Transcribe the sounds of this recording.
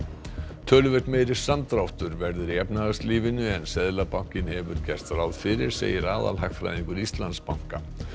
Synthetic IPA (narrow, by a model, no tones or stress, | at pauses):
t̪ʰœːlʏvɛɾt̪meːjɾɪ̥sant̪ɾawht̪ʏɾvɛɾðʏɾiɛpnaðast̪liːvɪnʏɛnsɛðlapaw̥cɪnhɛvʏɾcɛst̪aɾawðfɪɾɪɾ̥sḛːjɪɾaːða̰lɦaxk̪fɾa̰jðiŋkʏɾist̪lanspawŋ̥ka